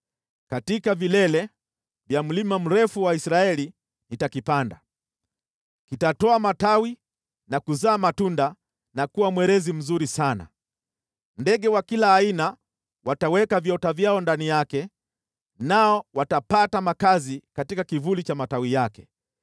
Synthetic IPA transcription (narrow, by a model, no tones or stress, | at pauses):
katikavilɛlɛ | vjam̩limam̩ɾɛfuwaisɾaɛli | nitakipanda̰ | kitatɔamatawi | nakuzaːmatunda | nakuwamwɛɾɛzim̩zuɾisana̰ | ndɛɠɛwakilaːina | watawɛkavjɔtavjaɔndanijakɛ | naɔwatapatamakazikatikakivulit͡ʃamatawijakɛ̥